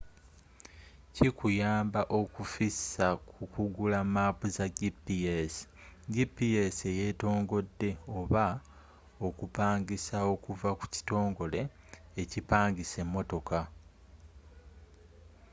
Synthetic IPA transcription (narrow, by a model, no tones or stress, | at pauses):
cikujaːmbaʔo̞kufisːakʰukuɡulamaːpuzaɟipːiesi̥ | ɟipːiese̞je̞ːto̞ːŋɡo̞dːe̞oβa | o̞kupaːŋɡisao̞kuvaku̥ci̥to̞ːŋɡo̞le̞ː | cipaːŋɡise̞mːo̞to̞ka